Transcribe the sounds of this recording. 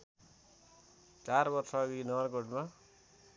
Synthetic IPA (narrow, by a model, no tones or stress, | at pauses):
t͡sarbʌrsʌːɡinʌʌrkoʈma